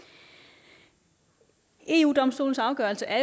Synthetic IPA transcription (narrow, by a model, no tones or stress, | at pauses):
e̝̰ːṵːd̥ɒ̽msd̥o̰ːln̩sɑ̈ʊɡ̥ɶɐlsəʔæɐ